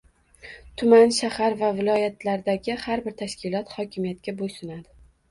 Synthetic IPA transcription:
t̪ʰʊmanʃahaɾvavɪlˠɒjat̪ʰlaɾd̪aɡʲɪhaɾbɪɾt̪ʰaʃkʲʰɪlˠɒt̪hɒkʲʰɪmijat̪̚kʲabojsʊnad̪ɪ

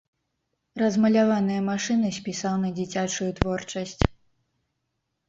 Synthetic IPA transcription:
rɐzmɐlʲavanɨjɐmaʂɨnɨsʲpʲisawnɐd͡zʲit͡sʲat͡ʂujut̪vɔrt͡ʂɐsʲt͡sʲ

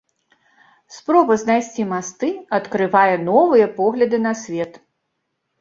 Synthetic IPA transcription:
spɾɔbɐznajsʲt͡sʲimast̪ɨɐt̪kɾɨvajɛnɔvɨjɐpɔɣlʲɐd̪ɨnɐsʲvʲɛt̪

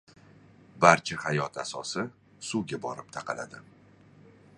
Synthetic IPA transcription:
baɾt͡ʃʰahajɒt̪asɒsɪ | suɡʲabɒɾɪp̚t̪ʰaqʰɑla̰d̪ɪ

